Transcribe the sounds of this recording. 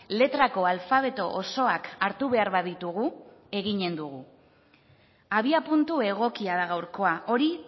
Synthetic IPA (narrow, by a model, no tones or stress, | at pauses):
le̞t̪ɾako̞alfaβ̞e̞t̪o̞ʔoso̞akaɾt̪uβe̞aɾβaðit̪uɣ̞u | e̞ɣiɲe̞nd̪uɣu | aβiapunt̪ue̞ɣ̞o̞kiaðaɣawɾko̞aʔo̞ɾi